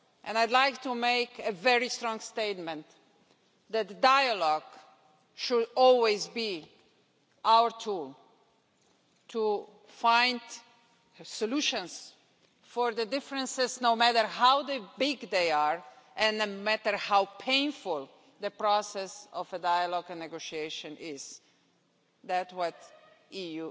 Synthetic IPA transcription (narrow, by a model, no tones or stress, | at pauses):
ʔɛ̃najd̪lajkt̪umeɪkɨvɛɹist̪ɹɔ̃ŋst̪eɪt̪mɛ̃nt̪ | ðæt̚dajəlɔɡ | ʃudɔlˠwezbi | awəɹtʰul | tʰu | fãɪj̃nd | sɔluʃə̃ns | fɔɹðədɪfɾə̃nsɪznoʊmætəɹɦawd̪əbɪɡd̪eɪaɹ | ʔɛ̃nnomæt̪əɹhawpʰẽɪ̃nfulˠ | d̪əpɾɔsɛsɔvədajalɔɡə̃nːɛɡoʃieʃə̃nʔɪz̥ | ðætwɔt̪iju